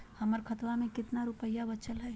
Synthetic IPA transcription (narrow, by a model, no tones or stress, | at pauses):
hɐməɾkʰət̪wamẽkɪt̪naɾʊpəjːabət͡ʃəlɦɛː